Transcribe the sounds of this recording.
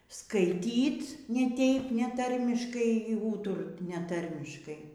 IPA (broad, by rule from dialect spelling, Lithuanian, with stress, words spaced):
skɐɪˈtʲiːt nʲɛ ˈtʲɛɪp nʲɛˈtɐrʲmʲɪʃkɐɪ ɪr ˈuːtʊrt nʲɛˈtɐrʲmʲɪʃkɐɪ